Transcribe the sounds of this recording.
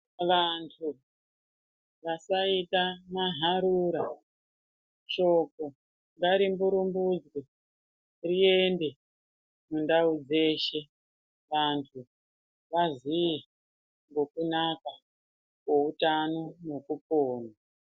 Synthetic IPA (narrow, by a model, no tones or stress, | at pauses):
ʋantʰu | ʋasaitamaɦaɾuɾa | t͡ʃo̞ko | ŋɡaɾimbuɾumbud͡zwi | rie̞nde̞ | mundaud͡ze̞ːʃe̞ | ʋantʰu | ʋazii | ŋɡo̞kunaka | kwo̞utano̞nokupoːna